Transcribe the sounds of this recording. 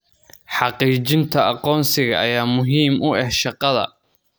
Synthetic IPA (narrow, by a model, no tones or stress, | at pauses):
ħɑqiːt͡ʃɪnt̪ʰɐɑqɔːnsɪɣɐʔɐjaːmʊɦiːmʔʊɛhʃɑqɑðɐ̰